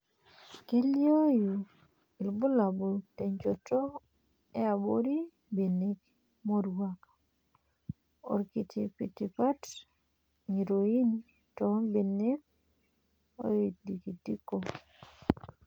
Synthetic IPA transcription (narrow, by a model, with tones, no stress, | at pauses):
ki˦ljo˦ju˨ | i˨lbʊ˦la˨bo˨te˨ɲd͡ʒo˨tɔ˦ | ɛ˦a˨boɾi˦ | be˨ne˦k | mo˦ɾwa˦ka | o̰˨ɾki˨tʰi˨pḭ˨ti˨pa˦t | ŋi˨ɾo˨i˦n | tɔbe˨ne˦k̚ | o̰˦e˨tdi˨ki˨ti˦ko˦